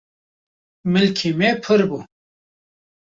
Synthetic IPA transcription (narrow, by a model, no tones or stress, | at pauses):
milkʰimepʰəɾbu